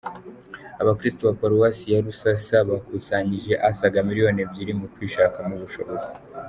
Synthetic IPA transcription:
aβakɾistuβapaɾuwasijaɾusasaβakusaɲiʒe̞ʔasaɡamiɾijo̞nebɟiɾimɡutwiːʃaːkamuβuʃo̞βo̞zi

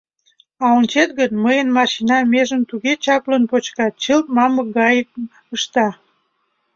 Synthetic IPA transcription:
ɑonʲt͡ɕet̪ɣənməjənmɑʃinɑmeʒənt̪uɣet͡ɕɑplənpot͡ɕkɑt̪̚t͡ɕəlt̪̚mɑməɡɑjək̚ | əʃt̪ɑ

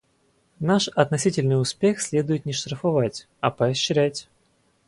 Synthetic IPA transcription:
naʂɐt̪nɐsʲitʲɪlʲnɨjʊspʲexsʲlʲe̞d̪ʊjɪt̪nʲɪʂt̪ɾəfɐvatʲ | ɐpɐɐɕːɾʲætʲ

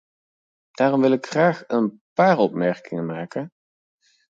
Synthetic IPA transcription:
d̥aːrɔmʋɪlɪkχraːχənpaːɹɔpmɛɹkɪŋənmaːkən

